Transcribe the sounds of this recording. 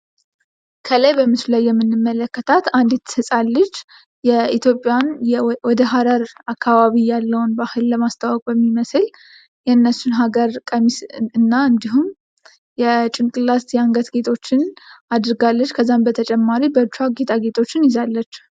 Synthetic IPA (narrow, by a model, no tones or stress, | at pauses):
kʰələjbəmɨsulajːɛmːɨnːɨmːələkːət̪ʰat̪and̪ɛt̪ːɨsʼalːət͡ʃː | jɛit̪ʰjo̞pʼːjanjɛwɔd̪əɦaɾəɾakːaβaβijalːəwnbahɨlːəmast̪ʰawɔkʼbəmːiməsɨl | jɛɨnːəsunɦaɡəɾkʼəmisɨnːaɨnd̪iɦum | jɛt͡ʃʼɪŋkʼɨlast̪jɛaŋɡət̪ɡe̞t̪ʰo̞t͡ʃːɪnad̪ɾɨɡalːət͡ʃːkʰəzːambət̪ʰət͡ʃʼɛmːaɾibət͡ʃːaɡe̞t̪ʰaɡe̞t̪ʰo̞t͡ʃːɪnjɪzalːət͡ʃː